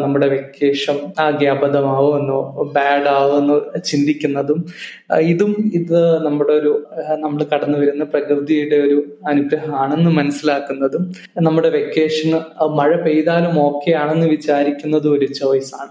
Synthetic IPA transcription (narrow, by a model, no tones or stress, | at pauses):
nɐmːuɽe̞ʋekːe̞ːʂɐmɡjaːbɐðɐmaːʋoenːubaːɖaːʋoenːɨt͡ɕind̪ikʲːunːɐðum | iðumiðɨnɐmːuɽe̞o̞ɾunɐmːɐɭkɐɽɐnːɨʋɐɾunːɐprɐkrɨd̪ijuɽe̞o̞ɾuɐnubɾɐɦɐmaːɳe̞nːɨmɐnɐsːilaːkːunːɐðum | nɐmːuɽe̞ʋekːe̞ːʂɐnɨmɐɻɐpe̞jðaːlumo̞ːkːe̞jaːɳe̞nːɨʋit͡ɕaːɾikʲːunːɐðuoɾut͡ɕːɐʋɐjsaːɳɨ